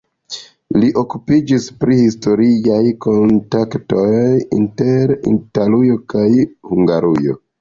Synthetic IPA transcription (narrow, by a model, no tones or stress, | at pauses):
liʔo̞kupid͡ʒispɾihisto̞ɾijajko̞ntakto̞jjḭnte̞ɾḭntalujo̞kajhuŋɡaɾujo̞̰